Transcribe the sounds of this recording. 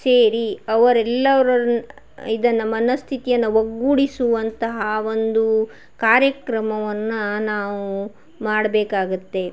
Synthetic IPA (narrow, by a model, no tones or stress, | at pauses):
seːɾiɐʋɐɾɛlːɐʋɐɾɐ | id̪ɐnːɐmɐnɐst̪ʰit̪ijɐnːɐʋɐɡːuɽisuʋɐnt̪ɐɦɐo̞nd̪u | kaːɾjɐkɾɐmɐʋɐnːɐnaːʋu | maːɽɐbeːkaːɡut̪ːe̞